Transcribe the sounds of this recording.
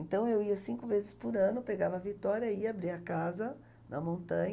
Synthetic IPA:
ẽnt̪ɐ̃w̃ewiɐsĩŋkʊvezɪspʊɾɐ̃nʊpeɡavɐːvit̪ɔɾjɐiabɾiɐkazɐ | nɐmõnt̪ɐ̃ɲ

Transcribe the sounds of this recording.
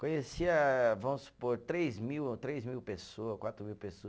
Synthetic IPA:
kõɲesiɐvɐ̃mʊsu̥poɾt̪ɾejzmiwt̪ɾejzmiwpesoɐskwat̪ɾʊmiwpesoɐ

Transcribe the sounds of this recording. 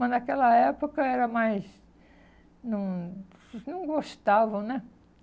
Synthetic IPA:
mɐnɐkɛlɐɛpokɐɛɾɐmajz | nɐ̃w̃ | nɐ̃w̃ɡoʃt̪avɐ̃w̃nɛ

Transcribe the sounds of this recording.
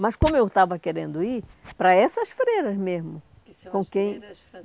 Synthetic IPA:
mɐskõmʊewt̪avɐkeɾẽnd̪ʊipɾɐɛsɐsfɾeɾɐzmezmʊ | kõkẽj̃

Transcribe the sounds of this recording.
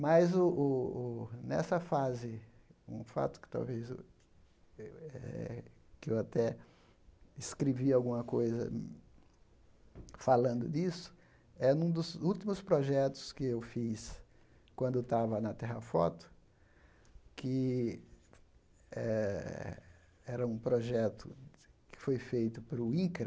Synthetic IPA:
mɐjzʊʔʊ | nɛ̰sɐfazɪṵ̃fa̰t̪ʊ̥kɪ̥t̪a̰wveze | ɛ̰kɪewat̪ɛ | ɪskɾeviawɡũmɐkojzɐ̰ | falɐ̃nd̪ʊd̪isʊ̥ | ɛnũd̪ʊzuwt̪imʊspɾoʒɛt̪ʊ̥skɪewfis | kwɐ̃nd̪ʊt̪avɐnɐt̪ɛɦɐfɔ̰t̪ʊ̥ | kʰɪ | ɛ | ɛɾɐũpɾoʒɛt̪ʊkɪ̥fojfejt̪ʊpɾʊĩkɾɐ

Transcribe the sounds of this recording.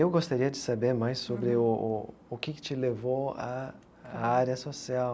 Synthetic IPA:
ewɡost̪aɾiɐd͡ʒɪsabeɾmajsːobɾɪʊ | ʊkɪkɪ̥t͡ʃɪlevowɐ | aɾɐsosiaw

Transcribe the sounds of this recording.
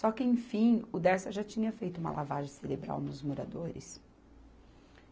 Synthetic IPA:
sɔkɪẽj̃fĩʊd̪ɛɾsɐʒat͡ʃĩɲɐfejt̪ʊũmɐ̰lʔavaʒẽseɾebɾa̰wnʊzmoɾa̰d̪oɾɪ̰s

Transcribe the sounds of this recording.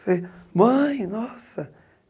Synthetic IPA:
femɐ̃j̃nɔsɐ

